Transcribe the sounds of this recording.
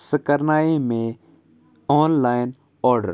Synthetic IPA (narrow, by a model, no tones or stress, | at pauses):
səkəɾnaːeːmẽː | oːnlaːɪn | ɔːɾɖə̰ɾ